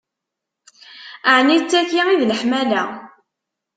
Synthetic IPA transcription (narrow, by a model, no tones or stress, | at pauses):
aʕnit͡sːækːiiðləħmælæ̰